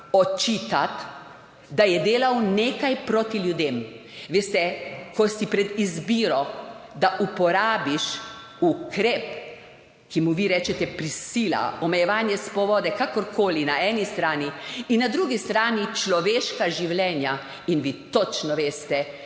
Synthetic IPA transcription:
ɔt͡ʃiːt̪at̪ | d̪ajɛd̪eːlawneːkajpɾot̪iljud̪eːm | ʋeːst̪ɛkɔsipɾɛd̪izbiːɾɔd̪aʔupɔɾaːbiʃ | ukɾeːp̚ | kimuʋiɾɛːt͡ʃɛt̪ɛpɾisiːla̰ɔmɛjɛʋaːnjɛspɔʋɔːd̪ɛkakɔɾkʰoːlinaɛːnist̪ɾaːniinːad̪ɾuːɡist̪ɾaːnit͡ʃlɔʋeːʃkaʒiwlʲɛːnja | inʋit̪ɔt͡ʃnɔʋeːst̪ɛ

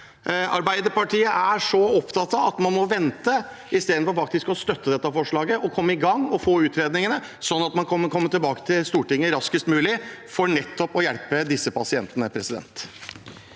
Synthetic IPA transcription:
ɑ̰ɾbæɪd̪əɾpɑʈʰiːəʔæʂɔɔpt̪ʰɑt̪ɑɑt̪mɑnmɔʋɛnt̪ə | ɪst̪eːd̪nfɔɾfɑk̚t̪ɪskɔst̪œt̪ːəd̪ɛt̪ːɑfɔʂɭɑːɡəʔɔkʰɔmːəɪɡɑŋːɔfoːʉːt̪ɾeːd̪nɪŋənə | sɔnːɑt̪mɑnkʰɔmːəkʰɔmːət̪ɪlbɑːkə̥t̪ʰɪlst̪uːʈɪŋːəɾɑskəst̪mʉːlɪfɔɳɛt̪ːɔpɔjælpəd̪ɪsːəpɑsɪɛnt̪ənəpʰɾɛsɪd̪ɛ̰nt̪

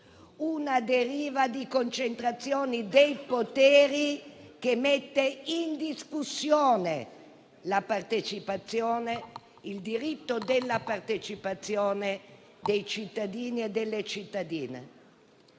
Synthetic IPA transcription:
unad̪eɾiːvad̪ikont͡ʃent̪ɾat̪sːjoːnid̪ejpot̪ɛːɾikemet̪ːeind̪iskusːjoːne | lapart̪et͡ʃipat̪sːjoːne | ild̪iɾit̪ːod̪elːapart̪et͡ʃipat̪sːjoːne | d̪ejt͡ʃit̪ːad̪iːnied̪elːet͡ʃit̪ːad̪iːnḛ

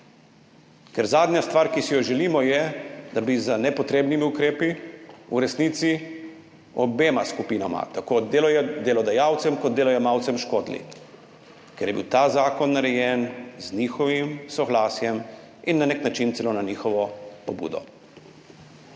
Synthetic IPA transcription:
kɛɾzaːd̪njast̪ʋaɾkisijɔʒɛliːmɔjɛd̪abizənɛpɔt̪ɾeːbnimiukɾeːpiṵɾɛsnit̪si | ɔbeːmaskupiːnama̰t̪akod̪elɔjɛd̪ɛlɔd̪ajaːwt̪sɛmkɔd̪̚d̪eːlɔjɛmaːwt̪sɛmʃkoːd̪lḭ | kɛɾjɛbḭwt̪aːzaːkɔnːaɾɛjɛnzniːxɔʋimsɔɡlaːsjɛm | inːaneknat͡ʃint̪sɛlonaniːxɔʋɔpɔbṵːd̪ɔ̰

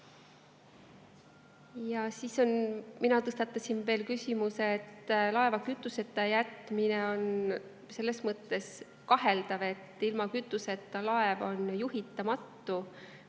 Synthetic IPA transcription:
jɑsiso̞nminɑt̪ɤst̪ɑt̪ːˑɑsinve̞ːlkysʲimuseːt̪ːlɑe̞vɑkyt̪ːˑuse̞t̪ːˑɑjæt̪ˑmineo̞n | se̞lːe̞smɤt̪ːˑe̞s | kɑɦe̞ld̪ɑve̞t̪ːˑilmɑkyt̪ːˑuse̞t̪ːˑɑlɑevo̞njuɦit̪ːˑɑmɑt̪ːu

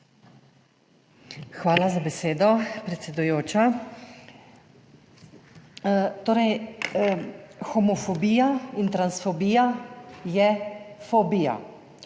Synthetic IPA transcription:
xʋaːlazabɛseːd̪ɔpɾɛt̪sɛd̪ujoːt͡ʃa | t̪oːɾɛj | xɔmɔfɔbiːjaint̪ɾansfɔbiːjajɛfɔbija̰

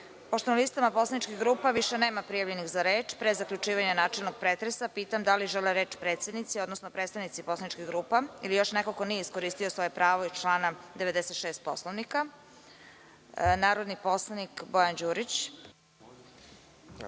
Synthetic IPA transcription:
poʃt̪onalist̪amaposlˠanit͡ʃkiɣɡɾuːpaʋiʃeneːmapɾijaʋʎenixzaɾeːt͡ʃpɾezakʎut͡ʃiːʋaɲanaːt͡ʃelˠnoɡ̚pɾeːt̪ɾesapiːt̪amd̪aliʒeleɾeːt͡ʃpɾeːt̪sed̪nit̪sio̞d̪nosnopɾet̪st̪anit̪siposlˠanit͡ʃkiɣɡɾuːpailijo̞ʃnekoko̞nijeisko̞ɾiːst̪io̞sʋo̞jepɾaːʋoit͡ʃlˠaːnad̪eʋed̪eset̪ʃeːst̪̚po̞slˠoʋnika | naːɾod̪nipo̞slˠanikbo̞jand͡ʑuːɾit͡ɕ

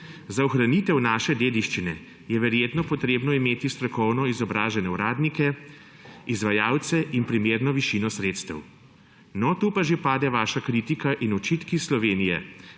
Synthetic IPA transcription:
zaɔxɾanit̪ɛwnaːʃɛd̪eːd̪iʃt͡ʃinɛ | jɛʋɛɾjeːt̪nɔpɔt̪ɾeːbnɔimeːt̪ist̪ɾɔkɔwnɔizɔbɾaːʒɛnɛuɾaːd̪nikɛ | izʋajaːwt̪sɛʔinpɾimeːɾnɔʋiʃinɔsɾeːt̪st̪ɛ̰w | nɔt̪uːpaʒepaːd̪ɛʋaːʃakɾit̪ikaʔinɔt͡ʃit̪kislɔʋeːnijɛ̰

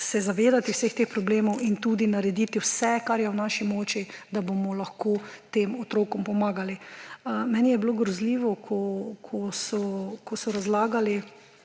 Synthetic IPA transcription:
sɛzaʋeːd̪at̪iwsext̪expɾɔbleːmɔwint̪uːd̪inaɾɛd̪it̪iwsɛkaɾjɛwnaːʃimoːt͡ʃid̪abomɔlɐxkoːt̪eːmɔt̪ɾoːkɔmpɔmaːɡali | mɛnijɛbiloːɡɾɔzliːʋɔkʰɔkʰɔsɔkɔsɔɾazlaːɡali

